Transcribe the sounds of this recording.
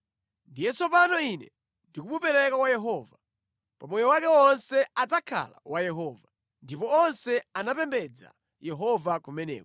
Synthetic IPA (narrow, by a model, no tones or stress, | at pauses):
ndijɛt͡sɔpanɔinɛ̰ | ndikuɓupɛɾɛkawajɛɦɔva | pamɔjɔwakɛɔnsɛatakʰa̰la̰wajɛɦɔːva | ndipɔɔnsɛanapɛmbɛd͡za̰ | jɛɦɔvakumɛnɛ̰ːk